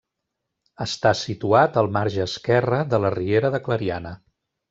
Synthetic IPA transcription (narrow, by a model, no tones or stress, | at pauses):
əst̪asit̪uat̪əlˠmaɾʒəːskɛrəðələrieɾəðəkləɾianə